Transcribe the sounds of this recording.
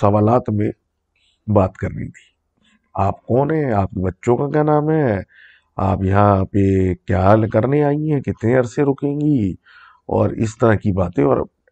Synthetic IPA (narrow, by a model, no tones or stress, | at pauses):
sɐʋaːlaːt̪mẽ | baːt̪kɐɾnḭ̃t̪ʰi̥ː | aːpkɔːnɦɛ̃aːp̚kebɐtːʃõkakjanaːmɦɛː | a̰ːpjɐɦãpekjaːkɐɾneaːiɦɛ̃kɪt̪neɐɾsẽɾoːkẽːŋɡi | ɔ̰ːɾɪ̰st̪ɐɾaɦkibaːt̪ẽɔ̰ːɾ